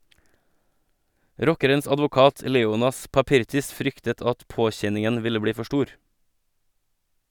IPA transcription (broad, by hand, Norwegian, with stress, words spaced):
ˈɾɔkəɾəns ɑdʋʊˈkɑːt ə ˈleːʊnɑs pɑˈpɪɾtɪs ˈfɾʏktət ˈɑt ˈpoːˌçɛnɪŋən ˈʋɪlə ˈbɽiː ˈfɔ ˈʃʈuːɾ